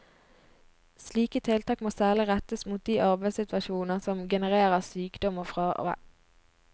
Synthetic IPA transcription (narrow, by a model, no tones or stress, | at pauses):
sliːkət̪ʰɪlt̪ɑːkmoːsæːʁlɪʁɛt̪əsmuːt̪̚d̪iːʔɑʁbæɪsɪt̪ʋɑʃuːnəsɔmɡɛnəʁeːʁəʁsyːkd̪ɔməfʁɑːʔ